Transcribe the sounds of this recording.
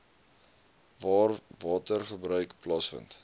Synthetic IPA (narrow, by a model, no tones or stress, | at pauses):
vɑːrvɑːtərχəbɾœɥkplɐsfə̰nt